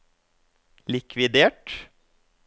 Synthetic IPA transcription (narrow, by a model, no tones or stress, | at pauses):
lɪkʰʋɪd̪eːʈ